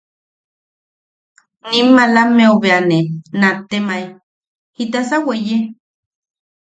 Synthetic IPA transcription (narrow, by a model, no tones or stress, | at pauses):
nimːalameoβeanenat̪ːemaj | hit̪asaweje